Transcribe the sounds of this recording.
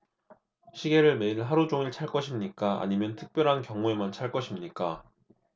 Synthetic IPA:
ɕʰiɡe̞ɾɯɭme̞iɭɦaɾud͡ʑoŋiɭt͡ɕʰaɭk͈ʌɕʰimɲik͈aa̰ɲimjʌntʰɯ̥k̚p͈jʌɾɦankjʌŋue̞mant͡ɕʰaɭk͈ʌɕʰimɲik͈a

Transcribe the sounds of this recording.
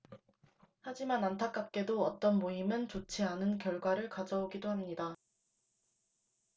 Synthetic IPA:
had͡ʑimanantʰak͈ap̚k͈e̞doʌt͈ʌnmoimɯnt͡ɕot͡ɕʰeanɯnkjʌɭɡwaɾɯɭkad͡ʑʌoɡidohamɲida

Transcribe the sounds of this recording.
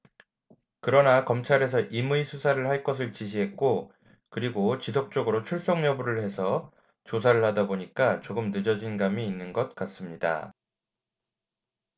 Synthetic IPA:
kɯɾʌnakʌmt͡ɕʰaɾe̞sʰʌʔimuisʰusʰaɾɯɭhaɭk͈ʌs̬ʰɯɭt͡ɕiɕ̬ʰiɦe̞t̚k͈o | kɯɾiɡot͡ɕisʰok̚t͡ɕ͈oɡɯɾot͡ɕʰuɭs͈ʌŋɲʌbuɾɯɭhe̞sʰʌ | t͡ɕos̬ʰaɾɯɭhadaboɲik͈at͡ɕoɡɯmnɯd͡ʑʌd͡ʑinɡamiːnːɯnɡʌt̚k͈as͈ɯmɲida̰

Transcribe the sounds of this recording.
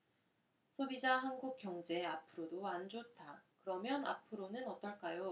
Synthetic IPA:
sʰobid͡ʑaɦanɡuk̚k͈jʌŋd͡ʑe̞apʰɯɾodoand͡ʑotʰakɯɾʌmjʌna̰pʰɯɾonɯnʌt͈ʌɭk͈ajo

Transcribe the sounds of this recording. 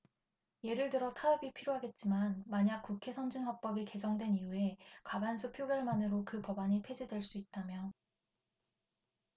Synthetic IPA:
je̞ɾɯɭtɯɾʌtʰaʌbipʰiɾjoɦaɡe̞t̚t͡ɕ͈imanmaɲak̚k͈ukʰe̞sʰʌnd͡ʑinɦʌk̚p͈ʌbike̞d͡ʑʌŋdwe̞nijue̞kabansʰupʰjoɡjʌɭmanɯɾokɯpʌbaɲipʰe̞d͡ʑidwe̞ɭs͈uit̚t͈amjʌ

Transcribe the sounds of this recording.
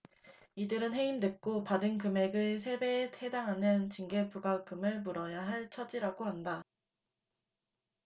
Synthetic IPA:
idɯɾɯnɦe̞imdwe̞k̚k͈opadɯnkɯme̞ɡɯs̬ʰe̞be̞thedaŋɦanɯnt͡ɕiŋɡe̞puɡakɯmɯɭmuɾʌjaɦaɭt͡ɕʰʌd͡ʑiɾaɡohanda

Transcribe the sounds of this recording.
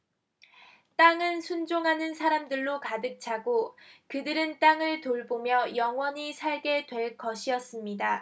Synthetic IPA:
t͈aŋɯnsʰund͡ʑoŋɦanɯnsʰaɾamdɯɭːokadɯk̚t͡ɕʰaɡokɯdɯɾɯnt͈aŋɯɭtoɭbomjʌjʌŋwʌɲisʰaɭɡe̞dwe̞ɭk͈ʌɕʰiʌs͈ɯmɲida

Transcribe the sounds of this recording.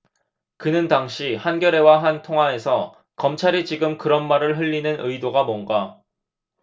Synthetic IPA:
kɯnɯntaŋɕʰihanɡjʌɾe̞waɦantʰoŋɦae̞sʰʌ | kʌmt͡ɕʰaɾit͡ɕiɡɯmkɯɾʌnmaɾɯɭɦɯʎːinɯnɯjdoɡamwʌnɡa

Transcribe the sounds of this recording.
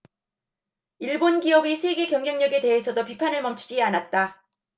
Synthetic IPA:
iɭbonɡiʌbisʰe̞ɡe̞kjʌŋɡjʌŋɲʌɡe̞te̞ɦesʰʌdopipʰanɯɭmʌmt͡ɕʰu̥d͡ʑianat̚t͈a

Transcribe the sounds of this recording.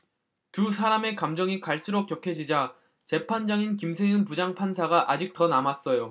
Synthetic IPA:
tusʰaɾame̞kamd͡ʑʌŋikaɭs͈ʰɯɾok͈jʌkʰe̞d͡ʑid͡ʑa | t͡ɕe̞pʰand͡ʑaŋinkimsʰeɯnpud͡ʑaŋpʰansʰaɡaʔad͡ʑik̚t͈ʌnamas͈ʌjo

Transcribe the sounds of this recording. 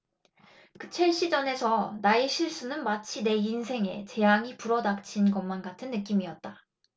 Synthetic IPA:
kɯt͡ɕʰe̞ɭɕ͈id͡ʑʌne̞sʰʌnaeɕʰiɭs͈unɯnmat͡ɕʰine̞insʰe̞ŋe̞̰t͡ɕe̞jaŋipuɾʌdak̚t͡ɕʰinɡʌnmanɡatʰɯnːɯk̬͈imiʌt̚t͈a

